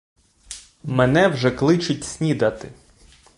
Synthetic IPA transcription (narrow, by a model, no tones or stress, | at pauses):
mɛnɛwʒɛklˠɪt͡ʃʊtʲsʲnʲid̪ɐt̪ɪ